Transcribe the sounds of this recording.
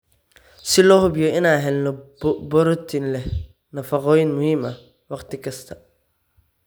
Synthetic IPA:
sɪlɔːhʊbjɔɪnaːɦɛlnɔbɔɾɔt̪ʰinlɛh | nɐfɑqɔːjɪnmʊhiːmɐ | wɑqt̪ʰɪkʰɐst̪ʰɐ

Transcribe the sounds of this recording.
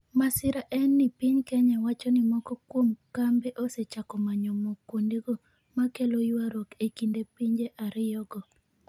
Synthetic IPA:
masɪɾaʔɛnːɪpiɲkɛɲawat͡ʃɔnɪmɔkɔkwomkambeʔoset͡ʃakɔmaɲɔmokwondiɡo | makelojwaɾokekindepiɲd͡ʒeʔaɾɪjɔɡɔ

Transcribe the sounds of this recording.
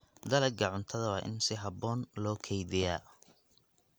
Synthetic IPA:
d̪ɐlɐɡʰɐʕʊnt̪ʰɐðɐwɑːʔɪ̰nsɪɦɐbɔːnlɔːkʰɛjðɪjaː

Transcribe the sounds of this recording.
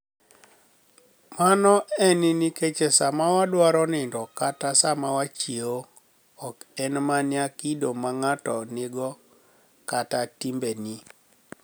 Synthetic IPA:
manɔɛnɪniket͡ʃesamawadwaɾɔnɪndɔkatasamawat͡ʃieo | ɔkɛnmanɪakidomaŋatɔnɪɡɔ | katatimbeni

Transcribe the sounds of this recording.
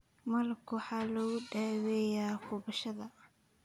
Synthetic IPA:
mɐlkʰwħɑːlɔːɣʊɖaːwɛjaːkʰʊβɐʃɐðɐ

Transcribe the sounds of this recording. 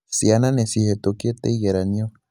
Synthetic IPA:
siananesihet̪okjet̪eijeɾanio

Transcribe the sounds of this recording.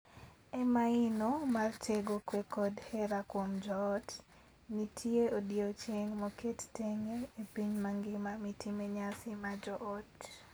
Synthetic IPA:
ɛmaɪnomarteɡokwekɔdhɛɾakwomd͡ʒɔːt | nitʰjeodiot͡ʃeŋmɔketteŋeepiɲmaŋɡɪmamitʰimeɲasɪmad͡ʒɔʔɔt

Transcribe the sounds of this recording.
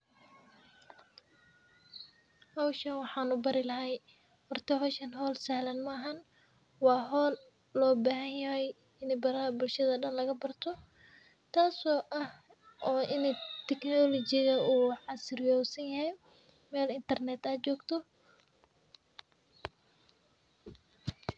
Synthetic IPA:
hɐwʃɐnwɑħɑːnʊbɐɾɪlɐɦɛj | hɔrt̪ʰɐɦɔːʃɐnɦɔːlsɐhlɐnmɐːɦɐn | wɑːɦɔːl | lɔːbaːɦɐnjɐɦɛj | ɪnɪbɐɾɐhɐbʊlʃɐðɐɗɐnlɐɣɐbɐrt̪ʰɔ | t̪ʰaːsɔːʔɐh | ʔɔːʔɪnɪt̪ʰɛknɔlɔt͡ʃɪɣɐuːʕɑsɪrjɔːsɐnjɐɦɛj | mɛːlɪnt̪ʰɐrnɛt̪ɐt͡ʃɔːɡt̪ʰɔ

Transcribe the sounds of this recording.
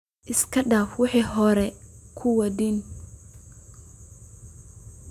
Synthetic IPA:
ʔɪskʰɐɖaːfwɑħiːɦɔɾɛkʰʊwɐd̪in

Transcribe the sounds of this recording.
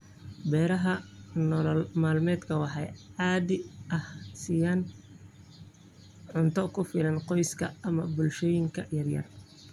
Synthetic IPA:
bɛːɾɐɦɐnɔllmaːlmɛːd̪kʰɐwɑħɑjʕɑːdɪʔɐhsɪjaːn | ʕʊnt̪ʰɔkʰʊfɪlɐnqɔjskʰɐɐmɐbʊlʃɔːjɪŋkʰɐjɐrjɐ̰r

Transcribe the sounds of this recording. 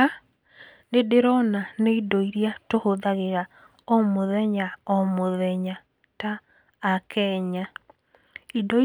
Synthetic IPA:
a | nedeɾɔnaneidɔiɾiatohoðaɣeɣa | ɔmoðɛɲaɔmoðɛɲa | taː | kɛɲa | idɔi

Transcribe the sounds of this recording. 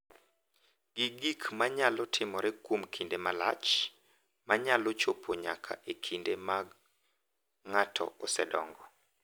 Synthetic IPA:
ɡ̥iɡikmaɲalɔtʰɪmɔɾɛkwomkʰindemalat͡ʃ | maɲalɔt͡ʃopʰoɲa̰kʰa̰ʔekʰindemaɡ | ŋatʰɔ̰ɔsɛdɔ̰ŋɡɔ

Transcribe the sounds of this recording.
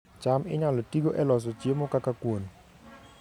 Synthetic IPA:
t͡ʃamɪ̰ɲalɔtiɡoʔɛlɔs̬ɔt͡ʃjemɔkakakwon

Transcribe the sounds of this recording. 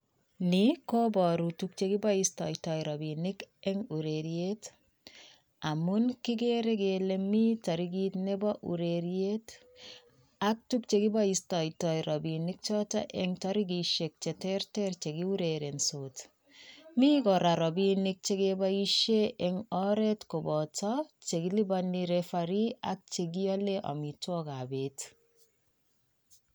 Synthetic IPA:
nikobɔɾutuk̚t͡ʃeɡibɔistɔjtɔjɾɔbinɪkɛŋuɾeɾjet | amunkiɡeɾeɡelemitɔɾiɡitnebɔʔṵɾeɾjet | ak̚tuk̚t͡ʃekibaistɔjtɔjɾɔbinik̚t͡ʃɔtɔ̰ʔɛŋtɔɾiɡiʃek̚t͡ʃɛtɛrtɛrt͡ʃeɡiuɾeɾensot | mikɔɾaɾɔbinik̚t͡ʃeɡebaiʃeʔɛŋɔɾɛtkobɔtɔt͡ʃeɡilibaniɾefaɾiak̚t͡ʃeɡ̬iɔleʔɔ̰mitwɔkabet

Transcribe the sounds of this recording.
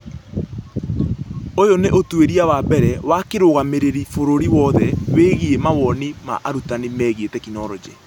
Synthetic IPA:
ojoneʔotweɾiawaːbɛɾɛwakeɾoɣameɾeɾifoɾoɾiwɔðɛweːɣiemawɔnima̰ʔaɾutanimɛɣietɛkinɔɾɔd͡ʑɛ

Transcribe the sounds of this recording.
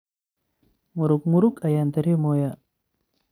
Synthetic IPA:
muɾukmuɾukɐjaːnd̪ɐɾemoːja

